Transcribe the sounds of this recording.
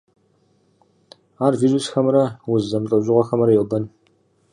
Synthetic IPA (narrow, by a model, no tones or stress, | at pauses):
aːrviːʒusxɐmɾɐwʊzzɐmɬʼɐʑʼʊʁɐxɐmɐɾɐjɛwbɐn